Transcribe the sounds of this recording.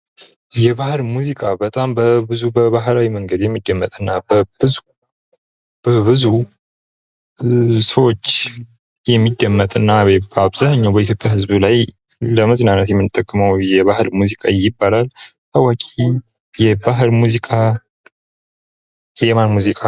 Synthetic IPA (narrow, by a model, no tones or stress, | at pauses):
jɛβahlmuzikʼabət̪ʼambəbɨzubəβaɦlawiməŋɡəd̪jɛmːid̪ːəmːət̪ʼɨnːabəbɨzu | b̥əbɨzu | səwot͡ʃː | jɛmːid̪ːəmːət̪ʼɨnːaabzahɲːawbəit̪ʰjo̞pʼjahɨzbulaj | ləməznanət̪jɛmːɨnɨt̪ʼːəkʼːɨməwjɛβahɨlmuzikʼajɪbːalalt̪awakʼi | jɛbaɦɨlmuzikʼa | jɛmanmuzikʼa